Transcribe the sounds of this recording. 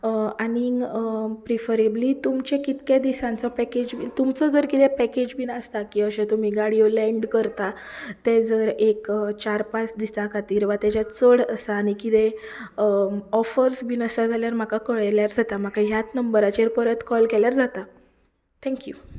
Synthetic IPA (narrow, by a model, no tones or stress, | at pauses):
añi | pɾifəɾeblit̪umt͡ɕẽkit̪kjed̪isãnt͡sɔpɛked͡ʑbit̪umt͡sɔd͡zəɾkit̪ẽpɛked͡ʑbiːnəst̪akiːəɕẽt̪um̤iːɡaɽijolɛ̃ɳɖkəɾt̪a | t̪ed͡zəɾekt͡ɕaɾpasd̪ist̪akʰat̪iːɾʋat̪jat͡ɕat͡səɽəsaːɽ̃ikit̪eəɔfəɾsbinəsad͡zʱaljaɾm̤akakəɭjljaɾd͡zʱat̪am̤akaɦjat̪nəmbəɾat͡ɕeɾpəɾət̪kɔlkɛljaɾd͡zat̪a | t̪ʰɛ̃ŋkju